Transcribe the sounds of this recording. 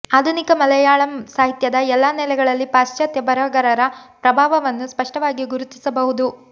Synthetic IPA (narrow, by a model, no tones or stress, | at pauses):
aːd̪ʱunikɐmɐlɐjaːɭɐmsaːɦit̪jɐd̪ɐɛlːaːnɛlɛɡɐɭɐlːipaːst͡ʃɐt̪jɐbɐɾɐɡɐɾɐɾɐpɾɐbʱaːʋɐʋɐnːuspɐʂʈɐʋaːɡiɡuɾut̪isɐbɐɦud̪u